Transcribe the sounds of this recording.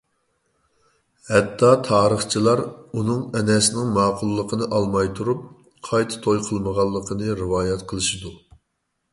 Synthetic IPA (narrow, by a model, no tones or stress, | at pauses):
hɛt̪ʰːɑt̪ʰɑːɾəχt͡ʃʰilˠɑɾunɨŋɛnɛsɪnɪŋmɑːqʰʊlˠːəqʰənɨʔɑlˠmɑjt̪ʰuɾup̚ | qʰɑjt̪ʰɨ̥t̪ʰojqʰəlˠməʁɑlˠːəqʰənɨɾɪwɑːjɛt̪qʰəlˠɨʃid̪u